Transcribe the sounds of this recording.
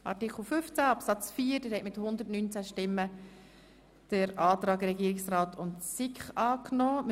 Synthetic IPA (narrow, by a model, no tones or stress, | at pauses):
ʔɑ̰tɪkʰl̩ˠføft͡sæɑpsɑt͡sfiːəɾdəɾhɛtmɪthʊnd̪ətnyːnt͡sæʃtɪmːə | d̥əɾɑːt̪ɾɑːɡɾɛɡiːəɾɪksraːtʰʊntsɪkχɑːknɔːm